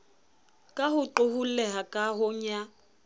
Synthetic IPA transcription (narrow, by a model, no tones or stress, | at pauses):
kʼahʊǃʊhulɛɦakʼaɦʊɲa